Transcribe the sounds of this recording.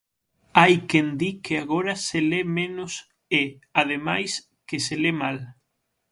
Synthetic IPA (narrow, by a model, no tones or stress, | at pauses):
ajkend̪ikeaɣoɾɐselemẽnos | eað̞emajs | keselemal